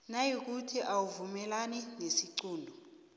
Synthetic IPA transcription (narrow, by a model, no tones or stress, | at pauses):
najik̬ʼutʰiʔawuvumɛlaninesiǀuːndʱɔ